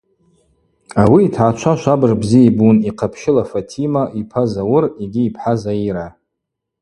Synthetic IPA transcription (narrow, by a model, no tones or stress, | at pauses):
awiːtʰʕat͡ʃʷʰaʃʷabɨrbziebuniqʰapʰʃɪlafatʰimaʔipʰazawʊriɡʲiːpʰħazaiɾa